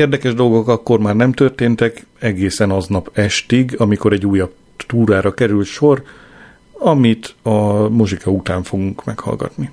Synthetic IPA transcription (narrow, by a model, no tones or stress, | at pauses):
eːrd̪ɛkɛʒd̪o̞lɡo̞kɒkːo̞rmaːrnɛmt̪ørt̪eːnt̪ɛkɛɡeːsɛnɒznɒpɛʃt̪iɡɒmiko̞ɾɛɟːuːjɒb̚ | t̪uːɾaːɾɒkɛɾylt̪ʃo̞r | ɒmit̪ɒmo̞ʒikʰɒut̪aːɱfo̞ɡuŋkmɛkhɒ̰lɡɒ̰t̪ni